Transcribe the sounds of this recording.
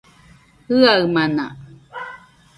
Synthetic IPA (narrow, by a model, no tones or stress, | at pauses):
hɯaɯmana̰